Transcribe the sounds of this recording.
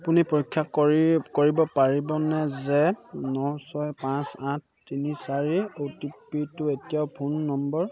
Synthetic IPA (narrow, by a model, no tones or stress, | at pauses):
apunipoɹikʰːakɔkoɹibɔpaɹibɔnɛzɛnɔwsɔjpãsãt̚ʰtːinisaɹiotipitʊetijaʊpʰunːɔmbɔɹ